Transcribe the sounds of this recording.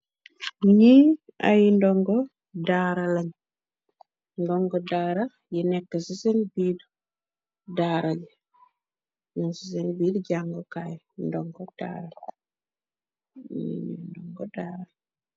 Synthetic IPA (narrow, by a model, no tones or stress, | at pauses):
ɲi | a̰jindɔŋɡɔ | daːɾalɐɲ | ndɔŋɡɔdaːɾa | jinɛkːəsisenbiːd | daɾaɟ | munsis̬enbiːdɟaŋɡokaj | ndɔŋɡod̥a̰ːɾa | ɲḭɲḭndɔŋɡodaːɾa